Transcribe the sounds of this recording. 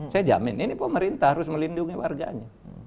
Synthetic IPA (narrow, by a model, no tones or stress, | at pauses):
sajad͡ʒa̰mɪninipəməɾint̪ahaɾʊsməlinduŋiwa̰rɡa̰ɲa